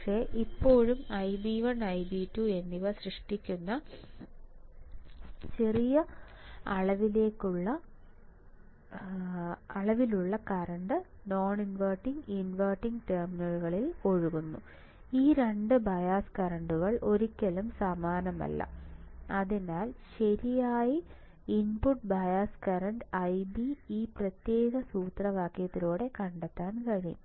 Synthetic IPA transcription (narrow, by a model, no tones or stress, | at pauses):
pɐkʂe̞ːʔipːo̞ːɻumɐjbiːʋɐɳɐjbiːtːue̞nːiʋɐsrɨʂʈikʲːunːɐ | t͡ɕerijɐɐɭɐʋile̞ːkːuɭːɐ | ɐɭɐʋiluɭːɐkɐɾɐɳɖɨ | no̞ːɳinʋɐrʈːiŋɡinʋɐrʈːiŋɡʈerminɐɻuɣɐɭilo̞ɻuɣunːu | iːɾe̞ɳɖɨbɐjaːskɐɾɐɳɖuɣɐɭʔo̞ɾikʲːɐlumsɐmaːnɐmɐ̰lːɐ̰ɐðinaːlɕɐɾijaːji | inpuʈ̚bɐjaːskɐɾɐɳɖɐjbiiːprɐt̪jeːɣɐsuːt̪rɐʋaːkːjɐt̪ːiloːɽe̞kɐɳɖɐt̪ːaːnkɐɻijṵm